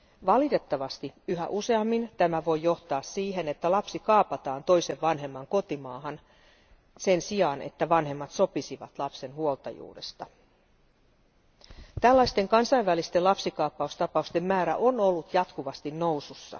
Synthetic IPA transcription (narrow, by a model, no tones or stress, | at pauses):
ʋɑlit̪e̞t̪ːɑʋɑst̪iyɦæ̰ʔuse̞ɑmːint̪æmæʋo̞jːo̞ht̪ɑːsːiːɦe̞net̪ːælɑpsikɑːpɑt̪ɑːnt̪o̞jse̞ʋʋɑnɦe̞mːɑŋko̞t̪imɑːɦɑn | se̞nsiɑːnḛt̪ːæʋɑnɦe̞mːɑt̪so̞pisiʋɑ̰t̪lɑpse̞nhuolt̪ɑ̰jṵːdḛst̪ɑ | t̪ælːɑjst̪e̞ŋkɑnsɑiʋʋælist̪elɑpsikɑːpːɑust̪ɑpɑust̪e̞mːæːɾæ̰ʔono̞lːut̪jɑt̪kuʋɑst̪inno̞wsusːɑ̰